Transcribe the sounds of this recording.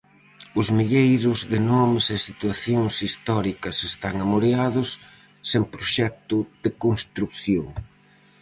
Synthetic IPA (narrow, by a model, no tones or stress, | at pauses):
ʊzmiʎejɾʊzðɪnɔmɪsesit̪waθjoŋsist̪ɔɾikɐsest̪aŋamoɾeaðʊsː | eŋpɾoʃɛk̚t̪ʊðɪkonst̪ɾukθjoŋ